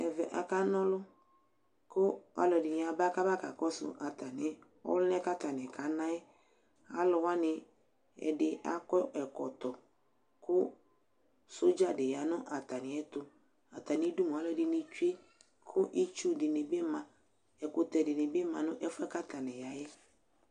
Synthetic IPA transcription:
ɛ˨vɛ˨ʔa̰˨ka˦nɔ̃˦lʊ˦ | kʊ˦a̰˨lɔ˨dɪ˨nɪ˨˦a˨ba˦ka˦ba˦ka̰˨kɔ˦sʊ̰˨ʔa˨t̪a˨nɪ˨˦ | ɔ̰˦lʊ˦n˦ɛ˦ka˦t̪a˨nɛ˨ka˨˦nã˦jɛ˦ | a̰˨lɔ˨wa˦nɪ˨ | ɛ̰˨dɪ˦a̰˦kɔ˦ʔɛ˨kɔ˨t̪ɔ˨ | kʊ˦ | sʊ˦d͡ʒa˨dɪ˨ja˨˦nʊ̃˦ʔa˨t̪a˨nɪ̃˨ɛ˦t̪ʊ˦ | a˨t̪a˨nɪ˦du˦mũ˨a˨˦lɔ˦˨dɪ˨nɪ˦t͡ʃu˦e˦ | kʰʊ˦ʔi˦t͡ʃu˦dɪ˨nɪ˨bɪ˦mã˨ | ɛ˨kʊ˨t̪ɛ˨dɪ˨nɪ˨bɪ˦mã˨nʊ̃˦ʔɛ˦fɛ˦ka˦t̪a˨nɛ̃˨ja˨jɛ˦

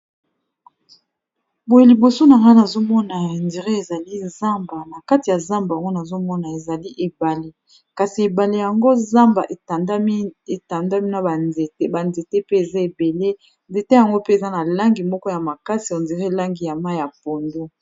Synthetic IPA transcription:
bo˨je˨li˨bo˨so˦na˨ŋɡa˦na˨zo˦mɔ˦na˨ndi˨ʁe˦e˨za˨li˦za˦mba˨na˨ka˦ti˨ja˨za˦mba˨a˨ŋɡo˦na˨zo˦mɔ˦na˨e˨za˨li˦ʔe˨ba˨li˨ | ka˨si˨e˨ba˨li˨ja˨ŋɡo˦za˦mba˨ʔe˨˦e˨ta˨nda˦mi˦na˨ba˨nze˨te˦ba˨nze˨te˦pe˦e˨za˦e˨be˨le˦ | nde˨te˦ja˨ŋɡo˦pe˦e˨za˦na˨la˦ŋɡi˨mɔ˦kɔ˦ja˨ma˨ka˦si˨ndi˨ʁe˦˨la˦ŋɡi˨ja˨ma˦ja˨po˨ndo˦

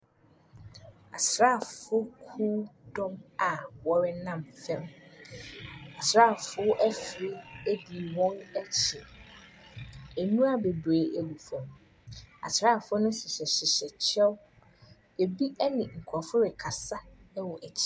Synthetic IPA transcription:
a̰˨sɾa˦˨fʊ˦kʰuː˦dɔ̃˦ma˨wɔ˨ɾɪ˦nã˦mfɛ̃˦m | a˨sɾa˦˨fʊ˦ʔæ˦fɪ˨ɾɪ˦e˦di˨wɔ̃˦nɛ˨t͡ɕʰɪ˨ | æ˨nũ˦a˦be˨bɾe˨ʔæ˨lu˨fɔ̃˨m | a̰˨sɾaː˦˨fʊ˦ʊ˦nʊ̃˦ɕɪ˨ɕɛ˨ɕɪ˨ɕɛ˨t͡ɕʰɛ˦w | e˨bi˦ɛ˦nɪ̃˨ŋ̩˨kʰɔ˨fʊ˦ɾɪ˨kʰa˨sa˦ɛ˦wɔ˨ʔɛ˨t͡ɕʰɪ˦

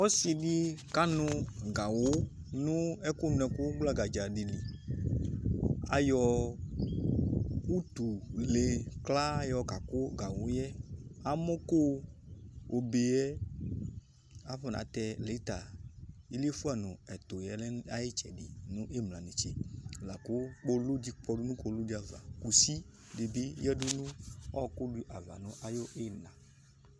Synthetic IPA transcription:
ɔ˦si˨ɖi˦ka˦nʊ̃˦ɡa˨wo˦ | nũ˦ɛ˦ku˦n˦ɛ˨ku˦ɡ͡bla˦ɡa˨d͡ʒa˨ɖi˨li˨ | a̰˦jɔ˨ | u˦t̪u˨le˨kla˦jɔ˨ka˨ko˦ɡa˨wo˦jɛ˦a˦mo˦ko˦ | o˨be˨ɛ˦ | a˦ɸɔ˦˨nã̰˨˦t̪ɛ˨le˨˦t̪a˨i˦le˦fu˦a˨nʊ̃˨ɛ˨t̪o˨jɛ˨lɛ˦a˦je˦t͡ʃɛ̰˨dɪ˨nʊ̃˦ʔe˦mla˨ne˨t͡ʃɛ˨la˨kʊ˦k͡po˦lu˦di˦k͡pɔ˦du˦nũ˦ko˦lu˦di˦a˨va̰˨ku˨si˦ | de˨bi˦jɛ˦du˦nũ˦ɔ˦˨kʊ˦du˨ʔa˨va̰˨nʊ̃˨˦ʔa˨jo˦ʔe˦nã˨

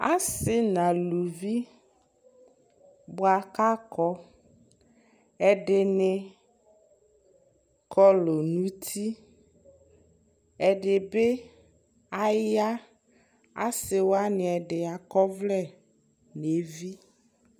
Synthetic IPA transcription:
a̰˦sɪ˦nã˨lu˨vi˦ | bʊ˦a˨ka˦kɔ˦ | ɛ˨ɖɪ˨nɪ˨ | kʰɔ˦lo˨nũ˦t̪ʰi˦ | ɛ˨ɖɪ˨be˦ | a˦ja˦ | a̰˦sɪ˨wo˦a˦nɪ˨ɛ˨ɖɪ˨a˨kɔ˦vlɛ˦˨ | ne˨˦vi˦

